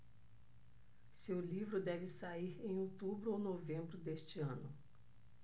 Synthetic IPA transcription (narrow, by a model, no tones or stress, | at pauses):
sewlivɾʊd̪ɛvɪsaiɾẽj̃owt̪ubɾʊownovẽmbɾʊd̪est͡ʃɪɐ̃nʊ